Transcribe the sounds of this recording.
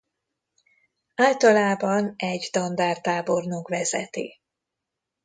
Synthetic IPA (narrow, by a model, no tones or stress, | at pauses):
aːlt̪ɒlaːbɒnɛɟd̪ɒnd̪aːrt̪aːbo̞rnokʋɛzɛt̪ḛː